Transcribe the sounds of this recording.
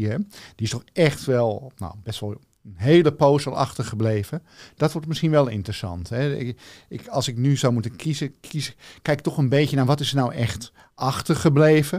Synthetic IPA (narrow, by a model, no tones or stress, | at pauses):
ɛd̥iɪstɔxɛxtʋɛlˠno̰wbɛstʋɔlˠ | ənɦeːləpoːsəlˠʔɑ̰xtərxəbleːvəd̥ɔtʋortmɪsxinʋɛlˠɪ̰ntrəsɑ̰ntɦɛɪkɑlˠsɪk̚nyzowmutənkʰizəkʰiskːɛjk̚tɔxənbeːjənaːʋɔtɪsənawʔɛxt | ʔɑxtərxəbleːvə